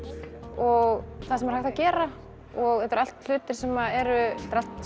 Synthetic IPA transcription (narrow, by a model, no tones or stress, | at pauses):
ɔɣθaðsɛmaɾ̥hajht̪awcɛːɾa | ɔɣɛt̪ʏɾal̥t̪l̥ʏːt̪ɪɾ̥sɛmːaɛɾʏt̪ɾalt̪